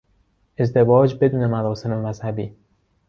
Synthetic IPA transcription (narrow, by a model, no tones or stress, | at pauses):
ʔe̞zd̪e̞vɒːd͡ʒbe̞d̪uːne̞mæɾɒːse̞memæzhæbiː